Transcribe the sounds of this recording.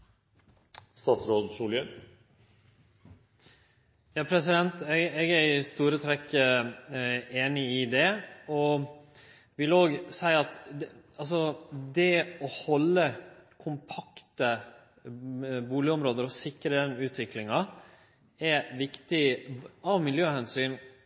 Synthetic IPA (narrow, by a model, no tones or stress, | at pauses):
st̪ɑːt̪sɾod̪suːlən | jɑːpʰɾɛsɪd̪ɛnt̪ɛɡɛɡæɾst̪uːɾət̪ʰɾɛkːə | eːnɪɪd̪ɛɔ | ʋɪloːɡsæɪɑt̪ɑls̬ɔd̪ɛɔhɔlːəkʰʊmpʰɑkt̪ə | buːlɪɔmɾoːd̪əɾɔsɪkːɾəd̪ɛnʉːt̪ʰʋɪklɪŋɑ | ɛʋɪkt̪ɪɑʋmɪljøːhɛnsyːn